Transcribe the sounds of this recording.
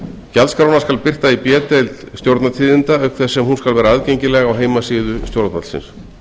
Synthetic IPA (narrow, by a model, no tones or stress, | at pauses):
calskɾawnaskalpɪr̥t̪aipjɛːt̪ejlt̪st̪jowɾt̪nat̪ʰiːðɪnt̪aœɥkθɛsɛmhunskalvɛːɾaaðcejɲcɪlɛɣawɦeːjmasiːðʏst̪joɾt̪nat̪lsɪ̰ns